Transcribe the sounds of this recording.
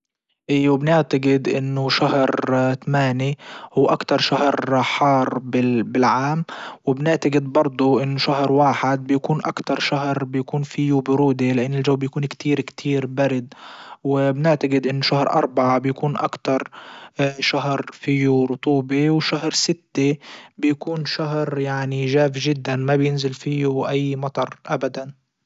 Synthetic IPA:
ʔiːwɪbɪnɪʕt̪aɡɪd̪ʔɪnːʊʃahɾt̪amaːnihuwːʔakt̪ɑɾˤʃahɾħɑːɾˤbɪbɪlʕaːmwɪbnɪʕt̪aɡɪd̪bɑɾˤd̪ˤʊʔɪnːʊʃaɦɾwaːħɪd̪̚bɪjakuːnʔakt̪ɑɾˤʃaɦɾbɪjakuːnfijubʊɾuːd̪elɪʔanːɪlʒawːbjakuːnkt̪iːɾkt̪ʰiːɾbaɾɪd̪wɪbnɪʕt̪aɡɪd̪ʔɪnːʃahɾʔɑ̰ɾˤbaʕabjakuːnʔa̰kt̪ɑɾˤ | ʃaɦɾˤfijuɾʊt̪ˤuːbewʃaɦɾsɪt̪ːebɪjakuːnʃaɦɾjaʕniʒaːfʒɪd̪ːanmabjɪnzɪlfiːuʔajːmɑt̪ˤɑɾˤʔabad̪an

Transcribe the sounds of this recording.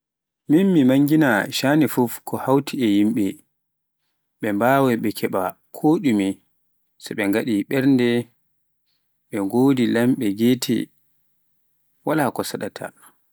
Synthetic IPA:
minmimaŋɡinaʃanifufkʰɔhawtʰiɛjimɓɛ | ɓɛmbaːwɛɓɛkʰɛɓa | kʰoɗumi | sɛɓɛŋɡaɗiɓɛɾndɛ | ɓɛɡoːdilamɓɛɡeːtʰɛ̰ | walakɔsaɗatʰa̰

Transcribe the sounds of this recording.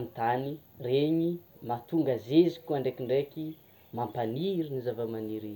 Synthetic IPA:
mit̪anireɲimat̪uŋɡazezikʲuaɳɖ͡ʐekiɳɖ͡ʐeki | mampaniɾinizavamaniɾi

